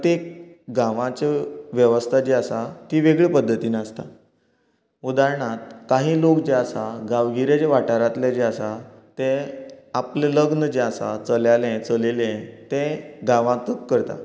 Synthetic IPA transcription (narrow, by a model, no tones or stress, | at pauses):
tt̪ekɡãʋãt͡ɕeʋjəʋəst̪ʰad͡ʑeasat̪iːʋeɡɭepəd̪ʱːət̪iːnast̪a | ud̪aɾɳat̪̚kaɦiːlokd͡ʑeasaɡaʋɡiɾjad͡ʑeʋaʈaɾat̪led͡ʑeasat̪ẽapleləɡnəd͡ʑeasa̰t͡səljalɛ̃t͡səlelɛ̃t̪ẽɡãʋãt̪ukːəɾt̪a̰